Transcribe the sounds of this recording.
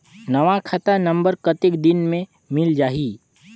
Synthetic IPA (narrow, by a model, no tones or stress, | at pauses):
nɐʋakʰat̪anə̃mbəɾkət̪ɪkd̪ɪnmẽ | mɪld͡ʒaːɦiː